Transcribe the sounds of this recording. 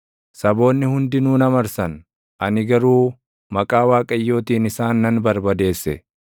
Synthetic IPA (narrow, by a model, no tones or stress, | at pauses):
sɐbo̞ːnːɪhʊnd̪ɪnuːnɐmɐɾsɐn | ʔɐnɪɡɐɾuː | mɐkʼaːwaːkʼɐjːo̞ːt̪iːnɪsaːnːɐnbɐɾbɐd̪e̞ːsːɛ̰